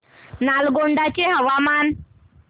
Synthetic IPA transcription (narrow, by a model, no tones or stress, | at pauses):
nalɡoɳɖat͡ɕeɦəʋaman